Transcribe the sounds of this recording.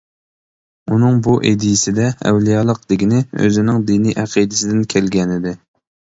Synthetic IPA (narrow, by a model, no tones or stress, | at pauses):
unɨŋbuʔed̪ijisɪd̪ɛɛ̰wlijɑlˠəq̚d̪̥ɪɡʲɪnɪø̰zɪnɪŋd̪iniʔæqʰid̪ɪsɪd̪ɪnkʲʰɛlɡʲɛnɪd̪ɪ